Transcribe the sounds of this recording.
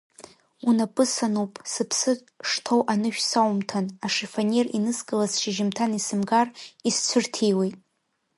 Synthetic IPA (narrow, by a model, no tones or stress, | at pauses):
unapʼɨsanupʼsɨpʰsɨ | ʂtʰowʔanɨʃᶣsawmtʰanaʂefanerinɨskʼɨlazʃɪʒɪmtʰanisɨmɡarist͡sʷʰʊrtʰijwejtʼ